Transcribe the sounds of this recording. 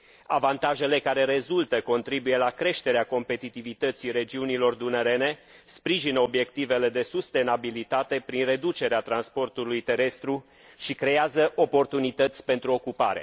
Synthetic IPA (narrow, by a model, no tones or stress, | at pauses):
a̰vant̪aʒe̞le̞kaɾe̞ɾe̞zult̪əko̞nt̪ɾibuje̞lakɾe̞ʃt̪e̞ɾeako̞mpe̞t̪it̪ivit̪ət̪siɾe̞d͡ʒiunilo̞rd̪uneɾe̞ne̞ | spɾiʒinəo̞bje̞kt̪ive̞le̞d̪esust̪e̞nabilit̪at̪e̞pɾinre̞d̪ut͡ʃe̞ɾeat̪ɾanspo̞rt̪ulujt̪e̞ɾe̞st̪ɾu | ʃikɾe̞azəʔo̞po̞rt̪unit̪ət̪sʲpe̞nt̪ɾuo̞kupa̰ɾḛ